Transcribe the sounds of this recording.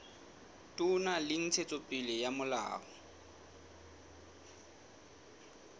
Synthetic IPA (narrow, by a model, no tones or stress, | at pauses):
tʼʊnalɪn̩t͡sʰet͡sʼopʼɪlɪjamʊla̰ːɣɔ